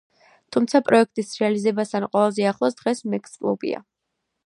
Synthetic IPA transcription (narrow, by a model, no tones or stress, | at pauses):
t̪ʰumt̪sʰapʼɾɔɛkʰt̪ʼisɾɛalizɛbast̪ʰanqʼɛlazɛaχlˠɔsd̪̥ʁɛsmɛkʼskʼlˠṵbḭa̰